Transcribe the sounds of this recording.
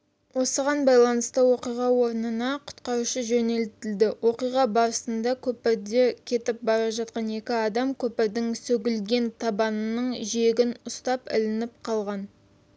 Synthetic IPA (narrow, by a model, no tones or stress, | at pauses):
wo̞səʁɑnbɑjlˠɑnəst̪əwo̞qijʁɑwo̞ɾənənɑqʰʊ̥t̪qɑɾuʃəʒɵne̞lt̪ɪld̪ɪwʔo̞qijʁɑbɑɾəsənd̪ɑkʲʰɵpɪɾd̪ekʲʰe̞t̪ɪp̚bɑɾɑʒɑt̪̚qɑne̞kʲɪɑd̪ɑmkʲʰɵpɪɾd̪ɪŋsɵɡʲɪlɡʲe̞nt̪ʰɑbɑnnːəɴʒie̞ɡʲɪnʊst̪ɑpɪ̰lɪnɪp̚qʰɑlˠʁɑn